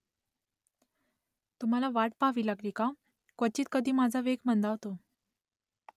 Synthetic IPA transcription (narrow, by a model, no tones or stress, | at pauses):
t̪um̤alaʋaʈpaʋilakɾika | kʋət͡ɕiːt̪kəd̪ʱiːmad͡zʱaʋeɡmənd̪aʋt̪o